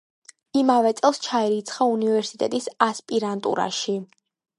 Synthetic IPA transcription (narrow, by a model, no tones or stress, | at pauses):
imavɛt̪sʼɛlˠst͡ʃʰaɛɾit̪sʰχaunivɛɾsit̪ʼɛ̰t̪ʼisaspʼiɾant̪ʼṵɾa̰ʃi